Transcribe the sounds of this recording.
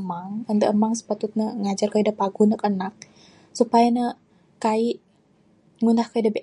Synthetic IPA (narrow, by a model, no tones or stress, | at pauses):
maŋənd̪əʔəmaŋsə̥pat̪ʊt̪̚nəŋad͡ʒarkaidapaɡunəkənak̚ | supajanə | kaiʔ | ŋundahkaidabeʔ